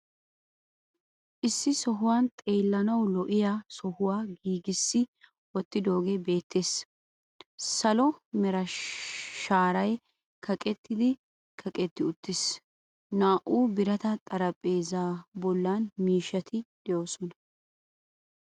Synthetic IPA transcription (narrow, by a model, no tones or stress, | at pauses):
ʔɪsːɪsɔɦʊwaːnt̪ʼe̞ːlːɐnɐwlɔʔɪjaːsɔhʊwaːɡiːɡɪsːɪ | wɔt̪ːɪd̪o̞ːɡebe̞ːt̪ʰːe̞ːs | sɐlɔmɛɾɐ | ʃaːɾɐj | kʰɐkʼɛt̪ːɪd̪ɪ | kʰɐkʼɛt̪ːɪʊt̪ːɪs | naːʔuːbɪɾɐt̪ɐt̪ʼɐɾɐpʼːe̞ːzaːbɔlːaːnmiːʃɐt̪ʰɪd̪̥ɛjo̞ːsɔnɐ